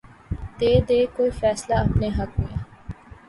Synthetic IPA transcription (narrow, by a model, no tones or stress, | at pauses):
d̪eːd̪eːkoːiːfɛːslaːɐpneːɦɐkɦʊjaː